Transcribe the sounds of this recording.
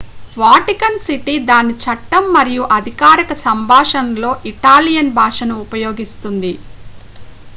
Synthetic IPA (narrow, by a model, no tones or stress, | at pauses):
ʋaːʈikɐnsiʈid̪aːnit͡ʃɐʈːɐmːɐɾijuʔɐd̪ʱikaːɾikɐsɐmbʱaːʂɐnlo̞ːʔiʈaːlijɐnbʱaːʂɐnuːpɐjoːɡist̪und̪i